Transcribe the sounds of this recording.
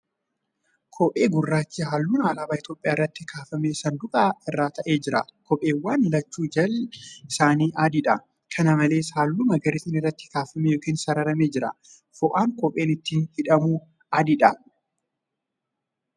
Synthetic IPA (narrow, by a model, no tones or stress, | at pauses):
kʰɔpʼe̞ːɡʊrːaːt͡ʃːiɦaːlːuːnaːlaːbaːɪt̪jo̞ːpʼːjaːɪrːɐt̪ːɪkʰaːfɐmeːsɐnd̪ʊkʼaɪrːaːt̪ɐʔe̞ːd͡ʒɪɾɐ̰kɔpʼe̞ːwːaːnlɐt͡ʃːuːd͡ʒɐlɪsaːniːʔaːd̪ɪᶑɐ | kʰɐnɐmɐle̞ːshaːlːuːmɐɡɐɾɪsinɪrːɐt̪ːɪ̥kaːfɐmejoːkiːnsɐɾɐɾɐmeːd͡ʒɪɾɐ̰ | fɔʔaːŋkɔpʼeːnɪt̪ːiːnhɪᶑɐmuː | aːd̪ɪᶑɐ